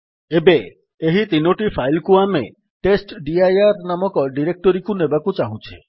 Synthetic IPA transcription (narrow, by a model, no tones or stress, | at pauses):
ebe | eɦit̪inoʈipʰajlkuame | ʈesʈɖiajaɾnamɔkɔɖiɾek̚ʈɔɾikunebakut͡ʃaɦũt͡ʃʰe